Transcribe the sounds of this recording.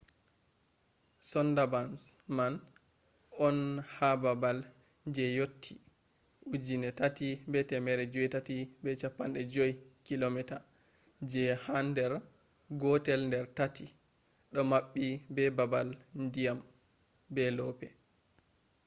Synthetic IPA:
sɔndabansman | ɔnhababal | d͡ʒɛjotʰːi | ʔud͡ʒinɛtatibɛtɛmɛɾɛd͡ʒɔɛtatibɛt͡ʃapːanɗɛd͡ʒojkilomɛta | d͡ʒɛhandɛɾ | ɡɔtɛlndɛɾtatʰi | ɗɔmaɓːibɛbabalndijam | bɛlɔpɛ

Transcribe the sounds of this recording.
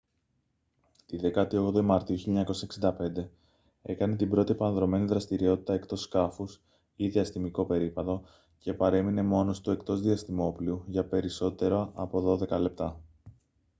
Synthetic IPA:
t̪iðe̞kɐt̪io̞ɣd̪oimɐɾt̪iuçiʎɐɲɐko̞sɐeksind̪ɐpe̞nd̪e̞ | e̞kɐne̞t̪ibɾo̞t̪iepɐnðɾo̞me̞niðɾɐst̪iɾio̞t̪i̥t̪ɐekt̪o̞skɐfus | iðiɐst̪imiko̞pe̞ɾipɐðo̞ | ce̞pɐɾe̞mine̞mo̞no̞st̪ue̞kt̪o̞zðiɐst̪imo̞pliuʝɐpe̞ɾiso̞t̪e̞ɾoɐʔɐpo̞ðo̞ðe̞kɐle̞p̚t̪ɐ

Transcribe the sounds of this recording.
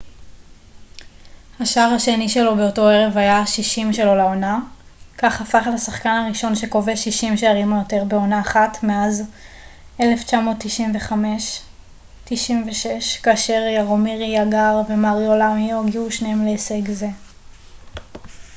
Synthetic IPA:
haʃaaʁhaʃeniʃe̞lo̞be̞o̞to̞eʁe̞vhajaʃiʃimʃe̞lo̞lao̞nakaχhafaχetasaχkanaʁiʃo̞nʃe̞ko̞veʃiʃimʃeaʁimajote̞ʁbeo̞naːχatmeaz | e̞le̞ft͡ʃamo̞ːtːiʃimveχameʃ | tiʃimveʃeʃkaːʃe̞ʁjaʁomiʁijaɡaʁve̞maʁiolamioɡiuʃneemleseɡze

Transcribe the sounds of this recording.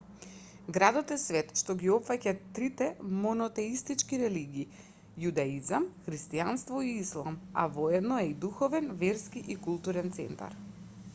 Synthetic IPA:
ɡɾad̪ɔt̪ɛsvɛt̪ʃt̪ɔɡʲiɔpfacat̪ːɾit̪ɛmɔnɔt̪ɛist̪it͡ʃkiɾɛliɡiː | jud̪aizamxɾist̪ianst̪vɔiislˠama̰vɔɛd̪nɔɛid̪uxɔvɛnvɛɾskiʔikulˠt̪uɾɛnt̪sɛ̰nt̪a̰ɾ

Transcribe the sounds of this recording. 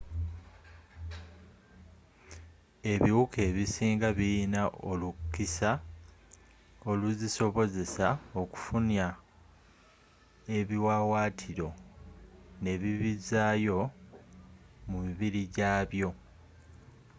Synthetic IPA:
e̞βiwukʰe̞ːβisiːŋɡaβiinaʔolukːisa | o̞luziso̞βo̞ze̞sao̞ku̥funja | e̞βiwawaːtʰiɾo̞ | ne̞βiβizajo̞ | mumiβiɾiɟaːβjo̞

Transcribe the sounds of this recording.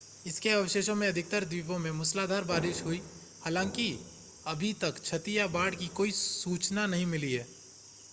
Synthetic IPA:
ɪskeɐʋəʃeːʃõmẽɐd̪ʱɪk̚t̪əɾd̪iːpõmẽmʊslaːd̪ʱaːɾbaːɾɪʃɦʊi | haːlãːŋki | ɐbʱit̪ɐkt͡ʃʰɐt̪ijabaːɽkikoːisuːt͡ʃnanɐɦĩmɪliɦɛː

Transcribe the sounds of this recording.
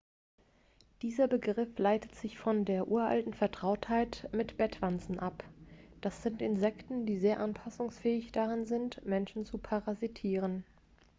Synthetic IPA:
d̥iːzɐbəɡʁɪflaɪtə̥tz̥ɪçfɔndeːɐʔuːɐʔa̰ltn̩fɛɐtʁ̥aʊthaɪtmɪtb̥ɛtv̥ant͡sn̩ʔapd̥asz̥ɪntɪnzɛktn̩diːzeːɐʔanpʰasʊŋsfɛːɪçd̥aʁanzɪntmɛnʃn̩t͡supʰaʁazitʰiːʁ̞ən

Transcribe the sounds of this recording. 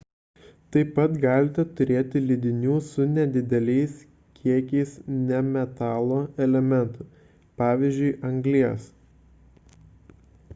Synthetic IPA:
t̪ɐɪpːɐt̪ɡɑːlʲɪt̪ʲɛt̪ʊɾʲeːt̪ʲɪlʲɪd̪ʲɪnʲuːsʊnʲɛd̪ʲɪd̪ʲɛlʲɛɪs | kʲiɛkʲɛɪsnʲɛmʲɛt̪ɑːlˠoːɛlʲɛmʲɛnt̪ʊ | pɑːʋʲiːzʲd͡ʒʲʊɪʔɐŋʲɡlʲiɛs

